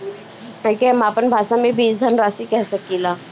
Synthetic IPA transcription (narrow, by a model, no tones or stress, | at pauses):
akiɦɐmaːpənbʱaːʃamẽbiːsd̪ʱənɾaːsikɛɦsɐkilaː